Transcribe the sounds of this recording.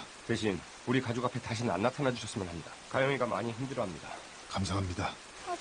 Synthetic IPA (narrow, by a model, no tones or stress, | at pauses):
te̞ɕ̬ʰin | uɾikad͡ʑuɡapʰe̞taɕ̬ʰinɯna̰nːatʰanad͡ʑuɕʰʌs͈ɯmjʌnɦamɲidḁkajʌŋiɡamʔa̰ɲiçimdɯɾʌɦamɲida | kamsʰaɦamɲida